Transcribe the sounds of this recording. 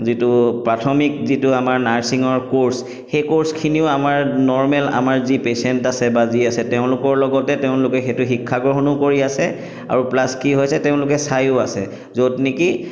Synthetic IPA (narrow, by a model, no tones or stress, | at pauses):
zitʊpɹatʰɔmik̚zitʊamaɹnaɹsiŋɔɹkoɹs | xejkoɹskʰiniʊamaɹnɔɹmɛla̰maɹzipesɛntasɛbaziasɛtɛʊ̃lʊkɔɹlɔɡɔtɛtɛʊ̃lʊkɛxetʊxikʰːaɡɹɔɦɔnɔkoɹiasɛ | a̰ɹuplaskiɦojsɛtɛʊ̃lʊkɛsajʊasɛ̰ | zotniki